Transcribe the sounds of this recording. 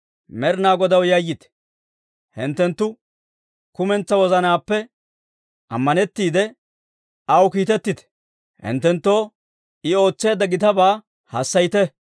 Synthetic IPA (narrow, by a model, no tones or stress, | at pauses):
mɛɾnaːɡɔd̪ɐwjɐjːɪt̪ɛ̥ | hɪnt̪ːɛnt̪ːʊ | kʊmɛnt͡sːɐwɔzɐnaːpːɛ | ʔɐ̰mːɐnɛt̪ːiːd̪ɛ | ɐwkiːt̪ɛt̪ːɪt̪ɛ̥ | hɪ̰nt̪ːɛnt̪ːo̞ː | ɪo̞ːt͡sːe̞ːd̪ːɐɡɪt̪ɐbaː | hɐsːɐjt̪ɛ